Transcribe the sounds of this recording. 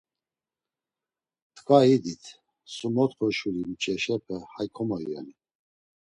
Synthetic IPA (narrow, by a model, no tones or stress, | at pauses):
t̪ʰkʰvaid̪it̪ʰ | sumɔt̪χɔʃuɾimt͡ʃʼɛʃɛpʰɛhajkʰɔmɔjuja̰ni